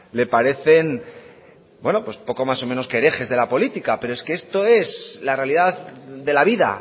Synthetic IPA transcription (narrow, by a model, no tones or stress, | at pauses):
le̞paɾe̞θe̞n | bwe̞no̞pwo̞spo̞ko̞maso̞mẽ̞no̞skeɾe̞xe̞zðe̞lapo̞lit̪ikape̞ɾo̞eske̞est̪o̞e̞slare̞aliðaððe̞laβiða̰